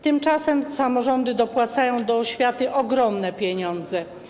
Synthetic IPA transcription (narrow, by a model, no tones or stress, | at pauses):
t̪ɘmt͡ʂasɛmsamɔʐɔnd̪ɘd̪ɔpwat̪sajɔ̃w̃d̪ɔɕfʲjat̪ɘʔɔɡɾɔmnɛpʲjɛɲɔ̃nd̪zɛ